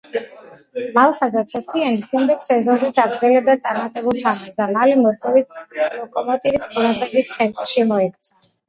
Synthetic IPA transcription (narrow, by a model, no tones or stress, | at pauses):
malˠχazat̪sʰɛst̪ʰianiʃɛmd̪ɛɡsɛzɔnzit̪ʰaɡɾd̪zɛlɛb̚d̪at̪sʼaɾmat̪ʼɛbulˠt̪ʰanasd̪amalɛmɔkʼɔvit̪lɔkʼɔmɔt̪ʼiɾiskʼuɾat̪ʰɛbist̪sʰɛnt̪ʼɾʃimɔɛkɾt̪sʰʼa